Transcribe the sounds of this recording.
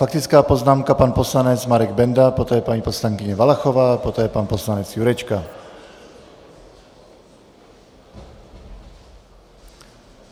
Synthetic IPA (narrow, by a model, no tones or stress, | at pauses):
fakt̪ɪt͡skaːpoznaːmkapanposlanɛt͡smaɾɛɡbɛnd̪apot̪ɔːjɛpaɲiːposlaŋkɪɲɛvalaxovaːpot̪ɛːjɛpanposlanɛt͡sjuɾɛt͡ʃka